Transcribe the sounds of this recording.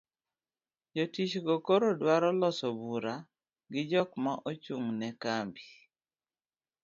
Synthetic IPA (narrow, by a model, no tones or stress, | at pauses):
d͡ʒotit͡ʃɡɔkoɾodwaɾɔlɔsɔbuɾa | ɡɪd͡ʒɔkmaʔot͡ʃuŋnɛkambi